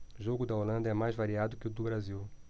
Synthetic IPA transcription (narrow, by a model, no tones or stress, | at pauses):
ʒoɡʊd̪ɐolɐ̃nd̪ɐɛmajzvaɾiad̪ʊkɪʊd̪ʊbɾaziw